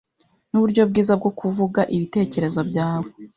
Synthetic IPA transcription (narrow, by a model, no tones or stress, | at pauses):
nuβuɾɟo̞bɡiːzab̚ɡo̞kʰuvuɡaʔiβite̞ːce̞ɾe̞zo̞bɟaːwo